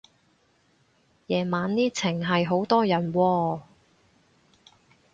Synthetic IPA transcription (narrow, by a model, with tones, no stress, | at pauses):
jɛː˨˩maː˨˧nniː˥t͡sʰɪ˨˩ŋɦɐ˨jɦo˨˥wt̪ɔː˥jɐ˨˩nwɔː˧